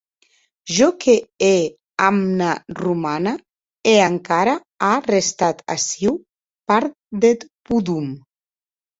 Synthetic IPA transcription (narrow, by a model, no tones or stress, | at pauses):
ʒɔkʰee | amnarumana | eaŋkaɾa | arest̪at̪a̰siw | paɾt̪ | d̪et̪puðum